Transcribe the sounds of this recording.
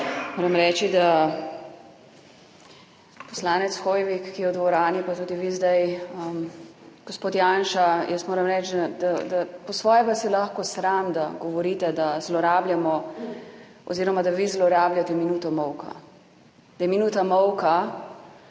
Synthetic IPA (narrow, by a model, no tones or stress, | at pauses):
moːɾɐmɾɛːt͡ʃid̪a | pɔslaːnɛt̪sxoːjʋikːijɛɔd̪ɡʋɔɾaːnipat̪uːd̪iʋizd̪ajəmɡ̥ɔspoːt̪janʃajəst̪moːɾɐmɾɛt͡ʃd̪ad̪ad̪apɔsʋɔːjɛʋasilaxkɔsɾamd̪aɡɔʋɔɾiːt̪ɛd̪azlɔɾaːbljamɔ | ɔ̰ziːɾɔmad̪aʋizlɔɾaːbljat̪ɛminuːt̪ɔmɔwka̰ | d̪̥ajɛminuːt̪amɔwka